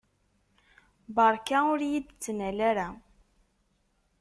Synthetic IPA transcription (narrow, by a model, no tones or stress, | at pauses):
bəɾˤkaʊɾjid̪t͡sːnælæɾæ